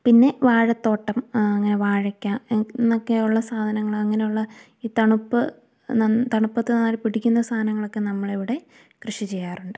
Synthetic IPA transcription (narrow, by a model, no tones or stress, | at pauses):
pinːe̞ʋaːɻɐt̪ːo̞ːʈːɐmɐŋːɐne̞ʋaːɻɐkʲːaːnːokːejuɭːɐsaːd̪ʱɐnɐŋːɐɭɐŋːɐnejuɭːɐ | iːt̪ɐɳupːɨ | nɐt̪ɐɳupːɐt̪ːɨnaːlpiɽikʲːunːɐst̪ʰaːnɐŋːɐɭo̞kːe̞nɐmːɐɭe̞ʋiɽe̞ | krɨʂit͡ɕe̞jːaːruɳɖɨ